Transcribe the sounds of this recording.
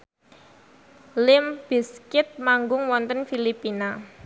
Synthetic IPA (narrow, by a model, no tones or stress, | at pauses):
lɪmb̥iskɪt̪̚maŋɡʊŋwɔnt̪ənfilipina